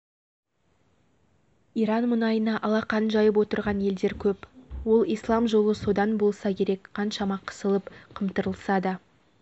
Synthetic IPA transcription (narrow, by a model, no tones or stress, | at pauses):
iɾɑnmʊnɑjənɑʔɑlˠɑqɑnʒɑjəp̬wo̞t̪əɾʁɑnje̞ld̪e̞ɾkʲʰɵpwo̞lˠijslˠɑmʒo̞lˠəso̞d̪ɑnbo̞lˠsɑkʲʰe̞ɾe̞kqʰɑnʃɑmɑqʰə̥səlˠəpqʰəmt̪əɾəlˠsɑd̪ə